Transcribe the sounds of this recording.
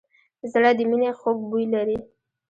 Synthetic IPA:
zɽad̪əminexoɡ̚bujlaɾi

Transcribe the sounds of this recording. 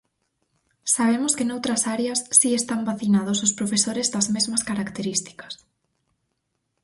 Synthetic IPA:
saβ̞emʊskɪnowt̪ɾɐsaɾeɐsːiest̪ambaθinað̞ʊsʊspɾofesoɾezðɐzmezmɐskaɾakt̪eɾist̪i̥kɐ̥s

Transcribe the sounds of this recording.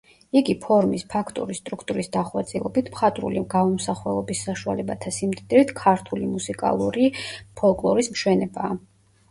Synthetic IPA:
iɡipʰɔɾmispʰakʰt̪ʼṵɾist̪ʼɾukʰt̪ʼuɾisd̪aχwat̪sʼilˠɔbit̪ʰmχat̪ʼɾṵliɡaɔmsaχwɛlˠɔbisːaʃua̰lɛbat̪ʰasimt̪ʼd̪ɾit̪ʰkʰaɾt̪ʰulimusikʼa̰lˠuɾipʰɔlˠkʼlˠɔɾismʃwɛnɛbaː

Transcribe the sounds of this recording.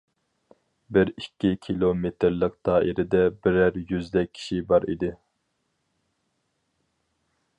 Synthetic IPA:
bɪɾikʲʰːikʲʰilˠomet̪ʰɪɾlˠəq̚d̪̥ɑːʔiɾɪd̪ɛbɪɾæɾjyzd̪ɛk̚ʲʰːi̥ʃibɑɾḭd̪ɪ

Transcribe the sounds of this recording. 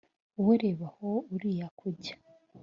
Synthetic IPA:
uwuɾeβahouɾijakʰuɟḁ

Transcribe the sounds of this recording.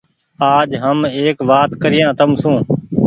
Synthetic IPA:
aːd͡ʒɦəmeːkʋaːt̪kəɾɪjãːt̪əmsũː

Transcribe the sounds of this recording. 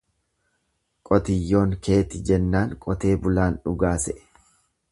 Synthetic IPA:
kʼɔt̪ɪjːo̞ːŋkʰe̞ːt̪ɪd͡ʒɛnːaːŋkʼɔt̪e̞ːbʊlaːnᶑʊɡaːsɛʔ

